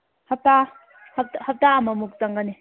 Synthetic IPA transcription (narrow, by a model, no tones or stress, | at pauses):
hap̚ta | hap̚thap̚taamamuk̚taŋɡani